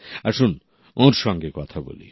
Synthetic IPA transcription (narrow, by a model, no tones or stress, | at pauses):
aɾʃun | oɾʃɔŋɡekɔt̪ʰabo̰lḭ